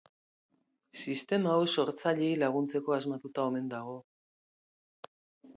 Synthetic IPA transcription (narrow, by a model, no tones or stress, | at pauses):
sist̪e̞mawso̞ɾt͡saʎe̞jlaɣ̞unt͡se̞ko̞azmat̪ut̪ao̞me̞nd̪aɣ̞o̞